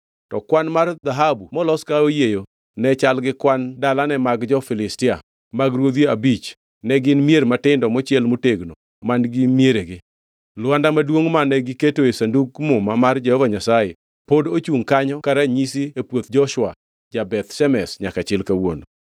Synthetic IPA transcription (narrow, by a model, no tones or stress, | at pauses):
tɔkwanmard̪aɦabumɔlɔskaojejo | nɛt͡ʃalɡɪkwandalanɛmaɡd͡ʒɔfɪlɪstɪa | maɡɾwod̪joabit͡ʃ | nɛɡɪnmjeɾmatɪndɔmɔt͡ʃɪɛlmoteɡno | manɡɪmjeɾeɡɪ | lwandamadwoŋmanɛɡɪketoesanduɡmʊmamard͡ʒɛhɔvaɲasaje | podot͡ʃuŋkaɲɔkaɾaɲisiepwot̪d͡ʒɔʃwa | d͡ʒabɛt̪ʃɛmɛsɲakat͡ʃɪlkawo̰n